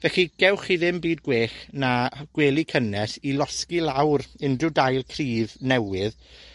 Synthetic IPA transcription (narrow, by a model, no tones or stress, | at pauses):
vɛɬiɡ̥ɛwχiðɪmbiːdɡweːχnaɡ̥weːlˠikʰənɛsilˠɔskilˠawɾɪndrʊdajlˠkʰriːvnɛwɪð